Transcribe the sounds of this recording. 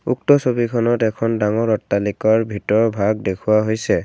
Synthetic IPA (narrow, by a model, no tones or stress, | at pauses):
uk̚tɔsobikʰɔnɔtɛkʰɔndaŋɔɹɔtːalikɔɹbʱitɔɹbʱaɡ̚dekʰʊwaɦojsɛ